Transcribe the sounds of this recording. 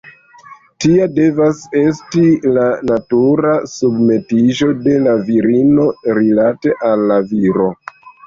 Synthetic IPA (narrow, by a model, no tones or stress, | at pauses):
tiade̞vase̞stilanatuɾasubme̞tiʒo̞de̞laviɾino̞ɾilate̞ʔalːaviɾo̞